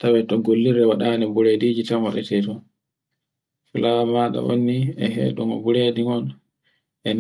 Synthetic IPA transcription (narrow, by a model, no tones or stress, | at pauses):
tawɛtɔɡolːiɾɛwaɗanɛbuɾediːd͡ʒitamwa̰ɗa̰tɛtɔ | filamaɗa̰wo̰nːiɛɦɛ̰ːɗuŋɔ̰buɾediŋɔn | ʔɛn